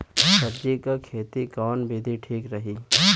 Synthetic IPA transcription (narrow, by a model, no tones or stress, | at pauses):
sɐbd͡ʒikakʰeːt̪ikɔːnbʱiːd̪ʱiʈʰiːkɾɐɦi